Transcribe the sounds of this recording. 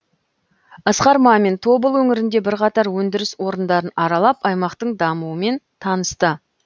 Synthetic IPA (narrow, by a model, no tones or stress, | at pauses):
ɑsqɑɾmɑme̞nt̪ʰo̞bəlˠwɵŋɪɾɪnd̪e̞bɪɾqɑt̪ɑɾwɵnd̪ɪɾɪswo̞ɾənd̪ɑɾənɑɾɑlˠɑpɑjmɑqt̪əɴd̪ɑmuwəme̞nt̪ʰɑnəst̪ə